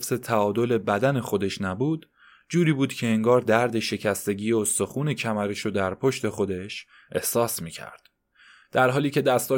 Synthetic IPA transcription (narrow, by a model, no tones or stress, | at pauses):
fse̞t̪ʰæɒːd̪o̞le̞bæd̪æne̞xo̞d̪e̞ʃnæbuːd̪ | d͡ʒuːɾiːbuːd̪̥cʰe̞eŋɡɒːɾd̪æɾd̪e̞ʃe̞cʰæst̪e̞ɟiːjost̪o̞xuːne̞cʰæmæɾeʃod̪æɾpʰo̞ʃt̪e̞xo̞d̪e̞ʃ | ʔe̞̰hsɒːsmiːcʰæ̰ɾd̪̥ | d̪̥æɾɦɒːliːce̞d̪æst̪ʰɒː